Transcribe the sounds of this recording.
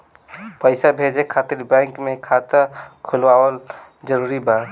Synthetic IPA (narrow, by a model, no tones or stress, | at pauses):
pəɪsabʱed͡ʒekʰat̪iɾbɛ̃ŋkmekʰat̪əɾkʰulʋaʋəl | d͡ʒəɾuɾiba